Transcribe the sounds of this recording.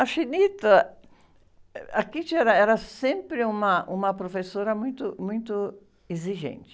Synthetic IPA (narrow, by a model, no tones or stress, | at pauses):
ɐfinit̪ɐ | akit͡ʃɪɛɾɐɛɾɐsẽmpɾɪũmɐũmɐpɾofesoɾɐmũj̃t̪ʊmũj̃t̪ʊ | eziʒḛ̃nt͡ʃɪ̥